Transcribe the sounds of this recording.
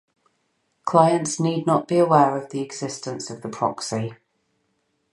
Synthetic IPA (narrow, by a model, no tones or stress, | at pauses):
kʰl̥aɪə̃ntsniːdⁿnəʔb̥iəwɛːɹəvðiɛɡz̥ɪstə̃nsəvðəpʰɹ̥ɒ̰ksi